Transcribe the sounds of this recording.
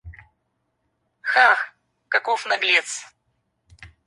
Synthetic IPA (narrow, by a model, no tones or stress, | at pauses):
xax | kɐkofnɐɡlʲet̪s